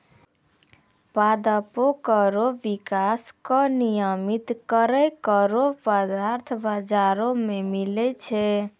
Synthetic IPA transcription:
pad̪əpokəɾobikaskɔnijəmit̪kəɾəjkəɾopad̪aɾt̪ʰbad͡ʒaɾomemilɛt͡ʃʰɛ

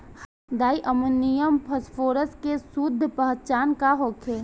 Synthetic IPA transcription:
d̪aːiʔəmənːijəmpʰəspʰoːɾəskesud̪ʱːpəɦtt͡ʃaːnkaɦokʰeː

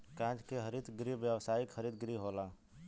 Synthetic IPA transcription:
kãːd͡ʒkeɦəɾiːd̪ɡɾiʋjəwsaːikhəɾiːd̪̚ɡɾiɦoːlaː

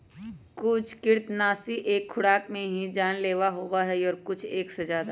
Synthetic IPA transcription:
kʊt͡ʃʰkɪɾt̪naːsiʔeːkʰːʊɽaːkmẽɦid͡ʒaːnleːʋaɦoːʋaɦɛɔːɾkʊt͡ʃʰeːksezjaːd̪a

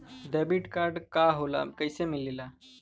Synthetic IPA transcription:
ɖɛbiʈkaɾɖkaɦola̰kəjsemilela

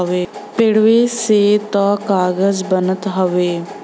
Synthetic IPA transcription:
ʋeːpɪɽʋeːseːt̪ɔ̃ːkaːɡəzbənət̪ɦəʋeː

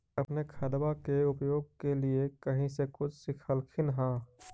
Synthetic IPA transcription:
ɐpnekʰɐd̪bakeʊpjoːɡ̚keliekɐɦĩsekʊt͡ʃʰsɪkʰəlkʰɪnɦãː

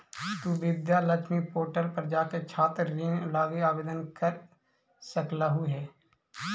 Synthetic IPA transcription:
t̪uːʋɪd̪jalət͡ʃmipoːɾʈəlpɾəd͡ʒaːket͡ʃʰaːt̪ɾːiːnlaːɡiaːbeːd̪ənkəɾ | səkləɦuɦɛː

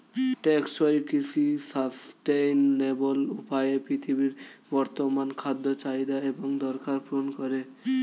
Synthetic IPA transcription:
ʈeksoɾikisisasʈenːebolupajepɾit̪ʰibiɾbɔɾt̪omankʰad̪ːot͡ʃajd̪aeboŋd̪ɔɾkaɾponkɔɾe

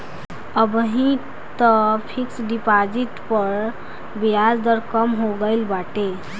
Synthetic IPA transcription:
əbəɦĩ | t̪əpʰiksɖipad͡ʒit̪pəɾ | bijad͡zd̪əɾkəmɦoɡəɪlbaʈe

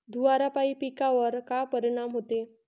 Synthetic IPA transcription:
d̪ʱuʋaɾapaipikaʋəɾkapəɾiɽ̃amɦot̪e

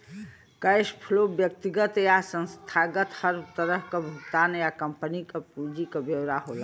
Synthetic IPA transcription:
kəjspʰulobjək̚t̪iɡət̪jasə̃nst̪ʰaɡət̪həɾbt̪əɾəɦkəbʱukt̪anjakəmpənikəpud͡ʒikəbjewɾaɦol

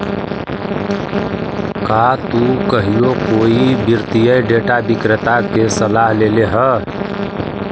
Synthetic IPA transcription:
kat̪ukəɦijokoibiɾt̪ijəjɖeʈabikɾət̪akesəlaɦleleɦə

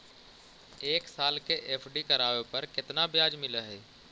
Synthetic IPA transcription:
eːksaːlkeʔeːpʰɖikɐɾaːʋepɐɾkɪt̪nabjaːd͡ʒmɪləɦɛː

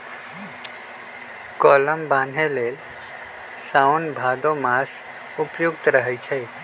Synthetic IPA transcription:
kɔləmbãːnʱeleːl | saʊnbʱad̪õmas | ʊpjʊkt̪ɾəɦɛt͡ʃʰɛ

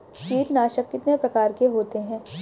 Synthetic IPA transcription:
piːʈnaːʃəkːɪt̪nepɾɐkaːɾkeɦoːt̪eɦɛ̃ː

